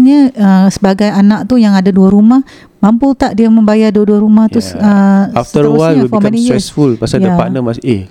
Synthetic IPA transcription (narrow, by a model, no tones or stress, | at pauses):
ɲəəsəbaɡajanak̚t̪ujaŋadaduaɾumah | mamput̪aʔdiamə̃mbajaduaduaɾumaht̪usəaft̪əwawfimanisɛsfulpasajappa̰ʔnəmase